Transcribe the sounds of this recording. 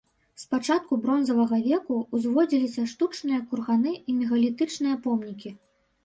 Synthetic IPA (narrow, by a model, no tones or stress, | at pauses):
spat͡ʂat̪̚kubɾɔnzɐvɐɣɐvʲɛkuːzʲvɔd͡zʲilʲisʲɐʂt̪ut͡ʂnɨjɐkurɣanɨimʲɛɣɐlʲit̪ɨt͡ʂnɨjɐpɔmnʲikʲi